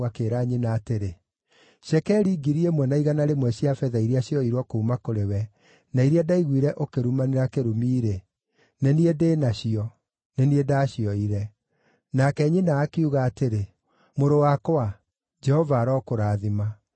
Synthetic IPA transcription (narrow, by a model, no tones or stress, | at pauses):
akeːɾaɲinaːteɾe | ɕɛkɛɾiːɡiɾiemwɛnaiɣanaɾemwɛɕiafɛðaiɾiaɕiɔiɾwɔkoumakoɾewɛ | naiɾiadaiɣwiɾɛʔokeɾumaneɾakeɾumiːɾe | neniedeːnaɕiɔ | neniedaɕiɔiɾɛ | nakɛɲinaːkeuɣaːteɾe | moɾowakoa | d͡ʒɛhɔvaːɾɔkoɾaːðima